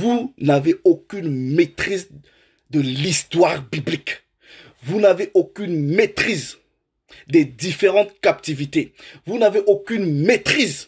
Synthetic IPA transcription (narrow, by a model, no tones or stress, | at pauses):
vunaveokʲynmet̪χiz | d̪əlist̪waʁbiblik | vunaveʔokʲynmet̪χiz | d̪ed̪ifeʁɑ̃t̪kap̚t̪ivit̪evunaveʔokʲynmet̪χiz